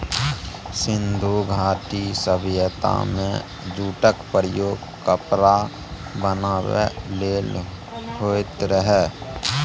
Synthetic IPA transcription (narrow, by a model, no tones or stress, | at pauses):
sɪnd̪ʱuɡʱaːʈisəbjət̪a̰mḛ̃ | d͡ʒuːʈəkpəɾəjoːɡ | kəpɾa | bənaːwḛleːl | ɦoːt̪ɾəɦɛ